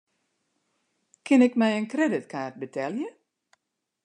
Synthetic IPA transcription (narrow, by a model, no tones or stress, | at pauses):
kʰɪnɪkmɛjənkrɛdɪtkʰaːt̚bətʰɛljə